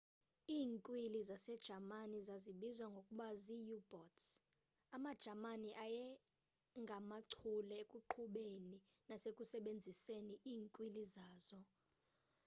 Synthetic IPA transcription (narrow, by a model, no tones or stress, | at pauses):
iːŋkʼwilizasɛd̥ʒ̥ʱamanizaziɓizwaŋɡʱokʼuɓazijubɔts | amad̥ʒ̥ʱamaniʔajɛ | ŋɡʱamaǀʰulɛekʼuǃʰuɓeni | nasekʼusɛɓend͡zʱiseniʔiːŋkʼwilizaːz̥ɔ